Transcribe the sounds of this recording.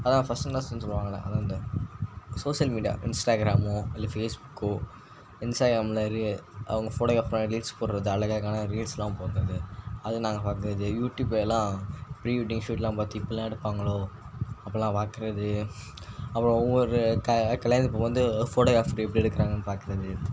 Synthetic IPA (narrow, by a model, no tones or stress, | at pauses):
ɐðãɐfɐsʈɯnaːlãsɐnːsɔlʋãːŋɡɐɭɐ̰ʔɐ̰ðãːʋɐnd̪ɯ | soːʂɪjɐlmiːɖɪja̰ːʔɪnsʈaːɡɾaːmʊɪlːɐfeːsbʊkː | ɪnsʈaːɡɾaːmlɐɾɯɐ̰ʋɐŋɡɐfoːʈoːɣɾaːfɾaːɐɾiːlspoːɾɾɐðɯɐɭɐɣɐlkːaːnɐɾiːlsɛlːãːpoːkɐɾɐðɯɐðɯnaːŋɡɐpaːkɯɾɐðɯjuːʈjuːbelːãːpɾiːʋiʈːɪŋʂuːʈlãːpaːt̪iɪpːɐlãːɛɽɯpːaːŋɡɐɭoː | ɐpːɐlãːpaːkɪɾɐðɯ | ɐpːɐɾõɔʋʋɔɾɯkɐkɐlɐnsɪp̬ːoːʋɐnd̪ɯfoːʈoːɣaːfɾiɛpːɐɽiɛɽɯkːɾaːŋɡɐnːɯpaːɾkɪɾɐðɯ